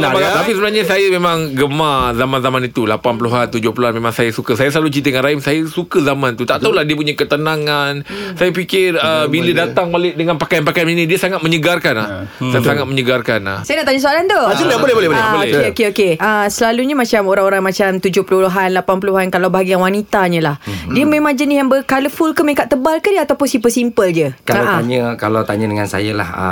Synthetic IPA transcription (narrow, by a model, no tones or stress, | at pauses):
napaat̪apisəbənarɲasajamemãŋɡəmazamanzamanit̪ulapanpəluɦant̪ud͡ʒʊhpəluɦanmẽmãŋsajasukəsajasəlalut͡ʃit̪əŋanɾaimsajasukəzamant̪ut̪aʔt̪aulahdiəp̬uɲakət̪ənaŋansajapikɪrəbilədat̪aŋbalɪʔ̚dəŋanpakajanpakajaninĩdiəsaŋat̪̚məɲəɡarkanla̰hasaŋat̪̚məɲəɡarkana̰sajanaʔt̪aɲəsoalant̪osinbolɛbolɛhbolɛbokeokeokeʔəsəlaluɲəmat͡ʃamoɾaŋoɾaŋmat͡ʃamt̪ud͡ʒʊhpəluluɦanlapanpəluɦankalawbaɦaɡianwanit̪aɲə̃lahdiəmẽmãŋd͡ʒənɪsjaŋbəkaləfulkəmẽkaʔt̪əbalkədiəat̪awpʊnsimpəsimpəld͡ʒəkaaʔaaɲəkalawt̪aɲədəŋansa̰jəla̰hə̰